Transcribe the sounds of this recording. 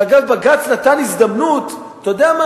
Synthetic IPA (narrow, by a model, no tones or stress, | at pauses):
aɡavbaɡat͡snat̪anizd̪amnut̪ | tːjod̪eama